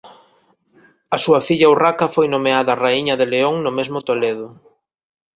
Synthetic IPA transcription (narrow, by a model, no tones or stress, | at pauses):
ɐsuɐfiʎɐurakɐfojnomeaðɐraiɲɐðeleoŋnʊmezmʊt̪oleðʊ